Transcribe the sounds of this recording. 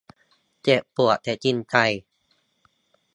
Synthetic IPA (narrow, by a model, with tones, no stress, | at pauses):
t͡ɕe˨˧˩ʔpu˨˩ə˩t̪ʰɛː˨˩˥t͡ɕi˧˩nka˧˩j